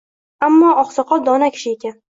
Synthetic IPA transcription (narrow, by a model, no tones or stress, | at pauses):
amːɒɒχsɑqʰɒd̪ɒnakʲʰɪ̥ʃɪe̞kʲan